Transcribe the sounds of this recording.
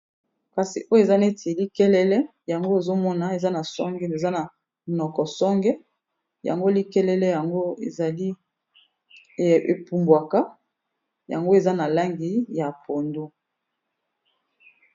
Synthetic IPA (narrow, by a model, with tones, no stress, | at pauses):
ka˨sḭ˨ʔo˦je˨za˦ne˦tʰe˨li˦kɛ˦lɛ˦lɛ˦ | ja˨ŋɡo˦e˨zo˦mɔ˦na˨e˨za˦na˨sɔ˦ŋɡɛ˦ne˨za˦na˨ | nɔ˨kɔ˨sɔ˦ŋɡɛ˦ | ja̰˨ŋɡo˦li˦kɛ˦lɛ˦lɛ˦ja˨ŋɡo˦e˨a˨li˦˨ | e˨pu˨mbwa˨ka˦ | ja̰˨ŋɡo˦e˨za˦na˨la˦ŋɡi˨˦ja˨po˨ndo˦